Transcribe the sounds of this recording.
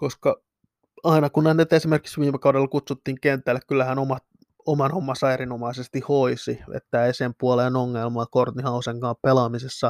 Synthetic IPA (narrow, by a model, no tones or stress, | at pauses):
koskɑ | ɑinɑkunnenet̪esimerki̥ksʋiːmekɑudelɑkut̪sut̪ːiːŋkent̪ːˑælːekkylːæhænomɑt̪ | omɑnomːɑsɑerinomɑisest̪ihoisiʋḛt̪ːæːeisempuoleːnoŋːelmɑlːɑkort̪ːihɑuseŋkɑːmpelɑmisesːɑ